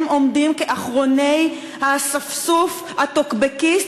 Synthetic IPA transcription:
mʔo̞mdimkeʔaχʁo̞ne̞j | hasafsuf | hatokbeki

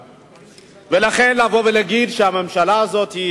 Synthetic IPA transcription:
velaχe̞nlavo̞velaɡid̪ʃehame̞mʃalaːzo̞t̪hi

